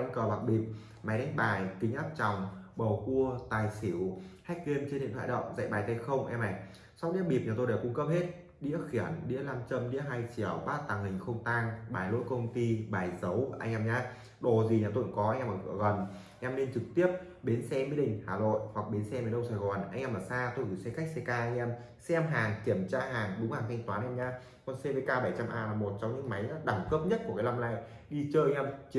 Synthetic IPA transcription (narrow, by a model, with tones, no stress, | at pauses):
ŋkəː˨˩ɓa˨˩k̚ɓḭ˨˩p̚ | ma˨˦jɗa˨˦ŋ̟ɓaː˨˩jk̪ï˨˦ŋ̟ʔaː˦˥p̚t͡ɕa˨˩wŋ͡mɓə˨˩wku˧ət̪aː˨˩jsi˧˩əwha˦˥k̟̚ki˧ənt͡ɕnɗḭ˧˨nt̪ʰa̰ː˧˨ɗə̰˧˨wŋ͡mza̰˧˨jɓaː˨˩jt̪ə˧˩jxə˧wŋ͡mʔɛ˧ma˨˩j | sa˦˥w̚ɗḭ˧˥ək̚ɓi˨˩p̚ɲəː˨˩t̪o˧ɗa˨˩wkʊ˧˦ŋ͡mkə˦˥p̚he˦˥t̚ | ɗḭ˧˥əxi˧˩ənɗḭ˧˥əlaː˧mt͡ɕə˧mɗḭ˧˥əɦa˧jt͡ɕi˧˩əwɓaː˦˥t̚t̪aː˨˩ŋhï˨˩ŋ̟xə˧wŋ͡mt̪aː˧ŋɓaː˨˩jlo̰˧˥jkə˧wŋ͡mt̪i˧ɓaː˨˩jzə˨˦wʔa̰˧ŋ̟ʔɛ˧mɲaː˨˦ | ɗo˨˩zi˨˩ɲaː˨˩t̪o̰˧˨ŋkɔ˨˦ʔa˧jŋʔɛ˧maː˨˩ɨ̰˧˨əɣə˨˩n | a˧jŋʔɛː˧mne˧nt͡ɕɨ˨˩k̚t̪i˦˥əp̚ɓe˨˦nsɛ˧mi˨˦ɗï˨˩ŋ̟haː˨˩no̰˧˨jhwa˨˩k̚ɓi˨˦nsɛ˧mi˨˦ɗə˧wsaː˨˩jɣɔ˨˩nʔa˧ŋʔɛː˧maː˨˩saː˧t̪o˧jkḭ˧˨˩sɛ˧xa˦˥k̚sɛ˧kaː˧ʔa˧ŋ̟ʔɛ˧m | sɛ˧ʔɛ˧mɦaː˨˩ŋki˧˩əmt͡ɕaː˧ɦaː˨˩ŋɗʊ˨˦ŋ͡mhaː˨˩ŋt̪ʰjŋ̟t̪waː˨˦nʔɛ˧mɲaː˧ | kɔ˨˩nse˧ve˨˧kaː˧ɓə˧˩jt͡ɕa˧mʔaː˧laː˨˩mo˨˩t̚t͡ɕŋ͡mɲɨ̰˧˥ŋma˨˦jɗaː˧˩mkəː˦˥p̚ɲə˦˥t̚ku˧˩əkaː˨˦laː˧mla̰ː˧˨j | ɗi˧t͡ɕəː˧ʔŋʔɛ˧mt͡ɕ